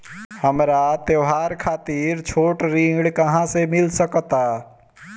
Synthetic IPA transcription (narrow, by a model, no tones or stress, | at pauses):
həmɾat̪jəɦaːɾkʰaːt̪iːɾt͡ʃʰoːʈɾĩɡɽkɐɦãsemɪlsəkt̪aː